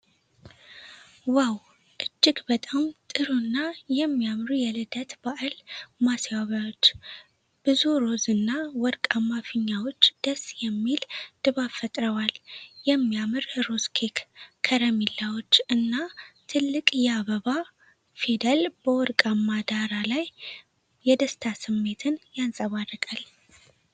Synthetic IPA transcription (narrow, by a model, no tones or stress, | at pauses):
waw | ʔɨd͡ʒːɪɡbət̪ʼamt̪ʼɨɾunːajɛmːijamɾujɛlɨd̪ət̪baʔalmaswaβawot͡ʃː | b̥ɨzuɾo̞zɨnːawɔɾkʼamːafɨɲːawo̞t͡ʃːd̪̥əsjɛmːild̪̥ɨβafət̪ʼɾəwaljɛmːijamɨɾɾo̞zkʰekkʰəɾəmilːawot͡ʃːɨnːat̪ʰɨlːɨkʼjɛaβəβa | fid̪əlb̥əwɔɾkʼamːad̪aɾalaj | jɛd̪əst̪ʰasɨmːe̞t̪ʰɨnjansʼəβarːɨkʼal